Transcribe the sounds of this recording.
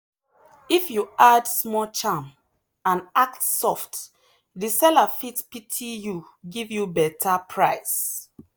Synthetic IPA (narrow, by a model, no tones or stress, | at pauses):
ifjuadsmɔlt͡ʃãm | ãnak̚tsɔft | disɛlafitpitʰiju | ɡivjubɛtʰapʰɹaɪs